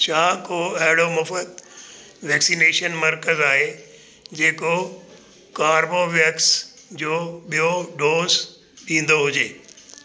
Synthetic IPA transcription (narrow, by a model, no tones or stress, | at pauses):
ʃʰãːkoɐɦɪɽomʊfət̪̚ | ʋɛːksineːʃənmɐɾkəzaːɦe | d͡ʑeːko | kaːɾboʋjəks | d͡ʑoːɓijoɖoːz | ɗĩːn̆d̪oɦʊd͡ʑeː